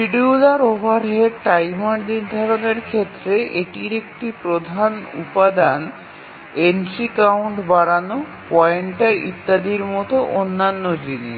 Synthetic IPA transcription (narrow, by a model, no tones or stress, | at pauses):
piɖiulaɾobʱaɾɦeʈajmaɾd̪iɾd̪ʱaɾoneɾkʰet̪ːɾeʔeʈiɾek̚ʈipɾod̪ʱanṵpad̪an | ensikawɳʈbaɽano | pɔeɳʈaʔḭt̪ːad̪iɾmɔt̪oʔonːanːod͡ʑini